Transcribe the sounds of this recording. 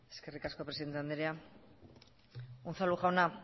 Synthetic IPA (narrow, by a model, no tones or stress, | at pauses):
e̥skerikaskopɾesiðent̪and̪eɾja | unθaluχawna